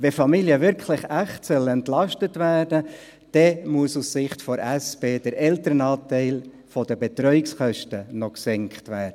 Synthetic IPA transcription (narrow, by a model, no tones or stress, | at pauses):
ʋɛfɑmiliəʋɪɾkʰlɪχæχtsœlɛntlɑʃtətʋæːrdə | d̥ɛmuəsussɪχtfɔɾæsb̥eːd̥əɾʔɛltəɾənɑːtɛɪl | fɔdəbet̪ɾœʏɪksχœʃtənɔksɛŋkχtʋæːɾd̥ə